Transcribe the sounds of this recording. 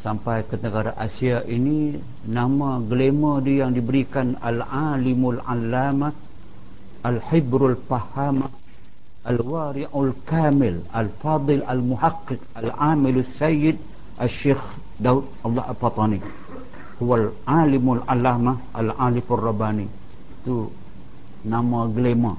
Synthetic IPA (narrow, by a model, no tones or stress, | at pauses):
sampajkənəɡaɾaʔasiaʔini | namaɡəlemadijaŋdibəɾikana̰lʕalɪmulʕa̰lːama | ʔalħɪbɾalpahama | ʔalwaɾɪʔalkaːmɪl | alfɑːd̪ˤɨlalmuħaqːɪqalʕamɪlasːajɪd̚ | ʔaʃex | daud̚ɑlˤːɑ̰halfat̪ˤɑni | huwalʕalɪmalʕalama | a̰lʕalɪfarːɑbani | t̪u | namaɡəlema̰